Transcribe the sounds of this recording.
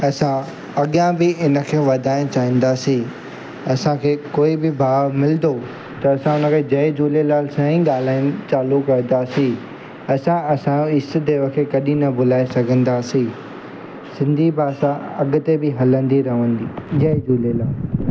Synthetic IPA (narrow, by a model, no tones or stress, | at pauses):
ɐsã | ɐɠjãbɪɪnə̆kʰeːʋɐd̪ʱaːɪñt͡ɕaːĩːn̆d̪aːsĩ | ɐsãkʰeːkoːibɪbʱaːʋmɪld̪o | t̪ɐːsãʊnə̆kʰeːd͡ʑɐed͡ʑuːlelaːlsãĩɠaːl̤aːɪñt͡ɕaːlukɐɾ̃d̪aːsĩ | ɐsãɐsãoɪst̆d̪eʋɐkʰtkɐɗĩnɐbʊlaːesɐɡʱə̃nd̪aːsĩ | sɪ̃nd̪ʱibaːsãɐɠʊ̆t̪ebɪɦɐlə̃nd̪iɾɐɦə̃nd̪iːd͡ʑɐd͡ʑuːlelaːl